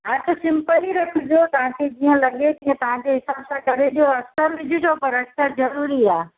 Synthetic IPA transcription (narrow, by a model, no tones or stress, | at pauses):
ɦatʊsɪ̃mpəliɾɐkʰʊ̃d͡ʑot̪ɐʋ̤ãkʰed͡ʑiːə̃lɐɠet̪iə̃t̪ɐʋ̤ãd͡ʑeɦɪsaːbsãkɐɾed͡ʑjoɐsəɾʋɪd͡ʑʱʊd͡ʑopɐɾɐksəɾzɐɾuːɾiaː